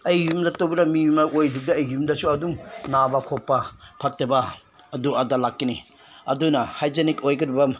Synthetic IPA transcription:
ɐjjumdɐtowbiɾɐmimaʔojdiɡ̚dɐɐjumdɐsuɐduŋnabɐkʰɔpːɐpʰɐtːebɐː | duɐdalakːini | ɐdunɐhajd͡ʒenikojɡɐɾibɐ

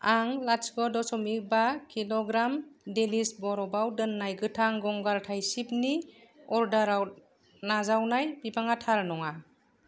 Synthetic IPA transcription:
aŋlasɡɔdɔsɔmibakʰilɔɡɾamdelisbɔɾɔbawdɯnːajɡɯtʰaŋɡɔŋɡaɾtʰajsip̚ni | ɔɾdaɾawt̚ | nazawnajbibaŋatʰaɾnɔŋa

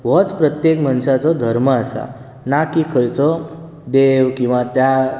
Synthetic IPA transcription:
ʋɔt͡spɾət̪jekmanʂat͡sɔd̪ʱəɾməasa̰ | nakikʰəjt͡sɔ | d̪eʋkĩw̃ʋat̪ja

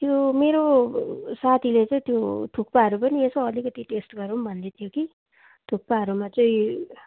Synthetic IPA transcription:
t̪jomeɾo | sat̪ʰilet͡sʌĩt̪jot̪ʰuk̚paɦʌɾupʌniesoʌlikʌt̪iʈesʈɡʌɾumbʱʌnd̪et̪ʰjoki | t̪ʰuk̚paɦʌɾumat͡sʌĩ

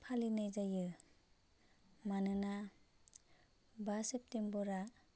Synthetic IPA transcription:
pʰalinajzajɯ | manɯna | basep̚tembɔɾa

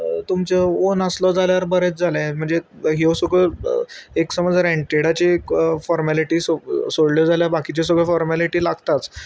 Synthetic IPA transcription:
t̪umt͡seonəslɔd͡zaljaɾbəɾet͡sd͡zʱaljãm̤əɳd͡ze | ɦewsəɡə | eksəməd͡zɾɛ̃ɳʈeɽat͡ɕekfɔɾmæliʈiːsosoɽljɔd͡zaljabakit͡ɕes̬əɡʱɭəfɔɾmæliʈiːlaɡt̪at͡s

